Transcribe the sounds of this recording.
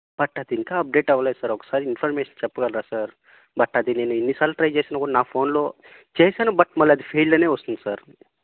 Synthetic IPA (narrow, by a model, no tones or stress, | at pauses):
b̥ɐʈːaːt̪iiŋkaɐp̚ɖeːʈɐʋlasɐɾɐksaːɾiinfʰɐɾmeːʃɐnt͡ʃɛpːkɐlɾaːsɐɾ | bɐʈːaːt̪ineneinːisaːlʈɾɐjd͡ʒeːsenɐkonaːpʰoːnlo | d͡ʒeːɦsanɐbɐʈmɐlːad̪ipʰeːlːɐneosnsɐɾ